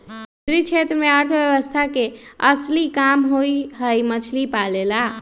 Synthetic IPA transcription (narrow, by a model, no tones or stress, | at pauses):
ud̪ɾit͡ʃʰet̪ɾəmeəɾt̪ʰbjəβəst̪ʰakeəslikamɦojɦəjmət͡ʃʰlipalela